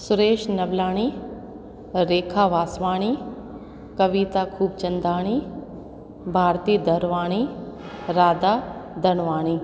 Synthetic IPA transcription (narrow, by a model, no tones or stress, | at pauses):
sʊɾeːʃnɐʋlaːɽ̃i | ɾeːkʰaʋaːsʋaːɽ̃i | kɐʋiːt̪akʰuːb̚t͡ʃɐ̃nd̪aːɽ̃i | bʱaːɾt̪iːd̪ɐɾʋaːɽ̃i | ɾaːd̪ad̪ʱɐɽ̃ʋaːɽ̃iː